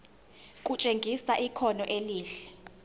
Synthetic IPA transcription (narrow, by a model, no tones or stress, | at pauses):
kʼut͡ʃʼeŋɡʱisaʔikʰɔnɔʔeliːɬɛ̥